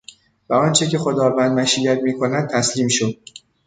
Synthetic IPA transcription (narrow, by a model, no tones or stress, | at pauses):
væɒːnt͡ʃʰe̞ce̞xo̞d̪ɒːvænd̪mæʃiːjæt̪̚miːkʰo̞næd̪̚t̪ʰæsliːmʃod̪̥̚